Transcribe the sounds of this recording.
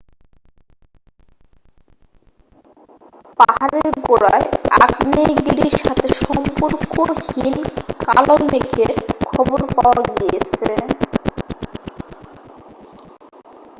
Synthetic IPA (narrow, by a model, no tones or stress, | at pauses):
paɦaɾeɾɡoɾa̰eakneɡiɾiɾʃat̪ʰeʃɔmpuɾkohinkalomekʰeɾkʰɔboɾpaoaɡijet͡ɕʰe